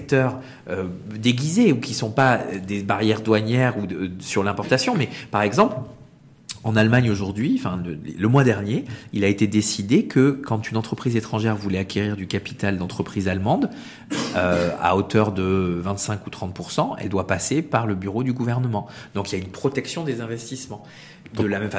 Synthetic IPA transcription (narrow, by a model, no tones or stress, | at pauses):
ɛk̚t̪œʁ | ød̪eɡʲizeukʲisɔ̃pad̪ebaʁjɛʁd̪waɲɛʁusyʁlɛ̃pɔʁt̪asjɔ̃mɛpaʁɛɡzɑ̃pl | ɑ̃nalmaɲoʒuʁd̪ɥĩfɛ̰̃lələmwad̪ɛʁnjeilaet̪ed̪esid̪ekʰəkɑ̃t̪ynɑ̃t̪χəpχizet̪χɑ̃ʒɛʁvulɛakʲeʁiʁd̪ykapi̥t̪ald̪ɑ̃t̪χəpχizalmɑ̃d̪ | øa̰ot̪œʁd̪əvɛ̃t̪sɛ̃kut̪χɑ̃t̪̚puʁsɑ̃ɛ̰ld̪wapasepaʁləbyʁod̪yɡuvɛʁnəmɑ̃d̪ɔ̃kiljaynpχɔt̪ɛksjɔ̃d̪ezɛ̃vɛst̪ismɑ̃ | d̪əlamɛmfa